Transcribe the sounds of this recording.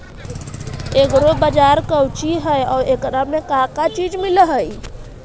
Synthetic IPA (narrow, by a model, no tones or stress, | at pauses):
ekɾobəd͡ʒaɾkəwt͡ʃiɦəjɔːɾekɾamekakat͡ʃid͡ʒmɪlɦəi